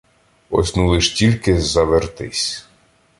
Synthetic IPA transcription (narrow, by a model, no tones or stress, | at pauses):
ɔ̰sʲnulˠɪʃtʲilʲkɪzɐʋert̪ɪ̰sʲ